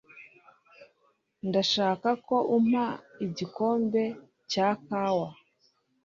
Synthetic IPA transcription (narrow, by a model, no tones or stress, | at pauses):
ndaʃaːkako̞ʔum̥aiɟiko̞ːmbe̞ | cakawa